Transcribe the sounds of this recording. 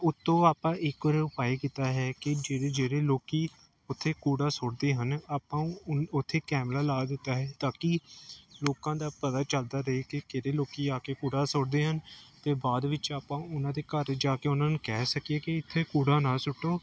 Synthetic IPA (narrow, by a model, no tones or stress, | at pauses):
ʊt̪ːõːaːpãːʔɪkɔɾʊpaːiːkit̪aːɦɛːkɪd͡ʒeːɽeːd͡ʒeːɽeːloːkiː | ʊt̪ʰːeːkuːɽaːsʊɽd̪eːɦənaːpãːʊt̪ʰːeːkɛːmlaːlaːd̪ɪt̪ːaːɦɛːt̪aːkiloːkãːd̪aːpət̪aːt͡ʃəld̪aːɾəɦeːkɪkeɾeːloːkiːaːkeːkuːɽaːsʊɽd̪eːɦənt̪eːbaːd̪ʋɪt͡ʃaːpãːʊnãːd̪eːkəɾd͡ʒaːkeːʊnãːnukɛːsəkieːkɪɪt̪ʰːeːkuːɽaːnaːsʊʈːoː